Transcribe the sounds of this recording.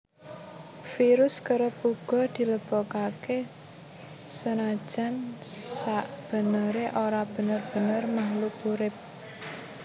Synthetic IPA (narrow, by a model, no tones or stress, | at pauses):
fiɾʊskəɾəpuɡ̥ɔ̤d̪̥i̤ləb̥ɔ̤kake | sənad̥ʒ̥a̤nsaʔb̥ə̤nəɾeʔoɾab̥ə̤nərb̥ə̤nərmaɦlupuɾɪp̚